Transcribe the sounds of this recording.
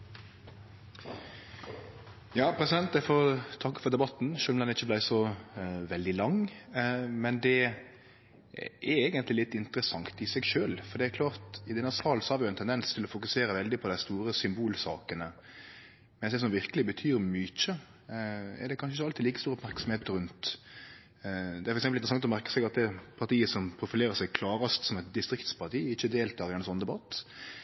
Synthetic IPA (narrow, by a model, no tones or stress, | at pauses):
jɑːpʰɾɛsɪd̪ɛnt̪̚d̪æfɔt̪ʰɑkːəfɔʁd̪ɛbɑt̪ːn̩ʃøːlmlɛnɪçːəblæɪsɔʋɛld̪ɪlɑŋ | mɛnd̪ɛ | ɛeːɡənt̪lɪlɪt̪ːɪnt̪əɾəsɑŋt̪ɪsɛɡʃøːlfɔɾd̪ɛækʰlɑːʁt̪ɪd̪ɛnːəsɑːlsɔhɑɾʋɪjʊɛnt̪ʰɛnd̪ɛnst̪ʰɪlɔfʊkʉseːɾəʋɛld̪ɪpʰɔd̪æɪst̪uːɾəsʏmbuːlsɑ̰ːkənə | mɛnsd̪ɛs̬ɔmʋɪʁkəlɪbət̪ʰyːɾmʏc͡çə | ɛ̰ɖ̪ɛkʰɑnʃəɪçːəɑlt̪ɪliːkəst̪uːɾəɔpmæʁksɔm̩heːt̪əɾʉnt̪ | d̪ɛæɾfɔɾɛksɛmpl̩ɪɾsɑŋt̪ɔmæʁkə̥sɛɡɑt̪̚d̪ɛpʰɑʁt̪iːəsɔmpʰɾʊfɪleːɾəsɛɡkʰlɑːʁəst̪sɔmɛt̪d̪ɪst̪ɾɪkt̪spʰɑt̪ʰiːɪçːəd̪eːlt̪ʰɑːɾɪd̪ɛnsɔnəd̪ɛbɑt̪ː